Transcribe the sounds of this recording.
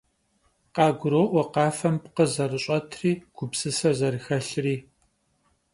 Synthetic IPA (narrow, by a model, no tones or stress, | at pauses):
qɑːɡʷʊɾoːʔʷɔqɑːfɐmpqəzɐrɨɕʼɐtʰriːɡ̥ʷʊpsɨsɐzɐrɨxɐɬriː